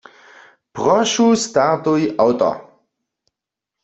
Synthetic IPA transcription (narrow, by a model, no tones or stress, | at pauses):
pʁɔʃust̪aʁt̪ujʔawt̪ɔ̰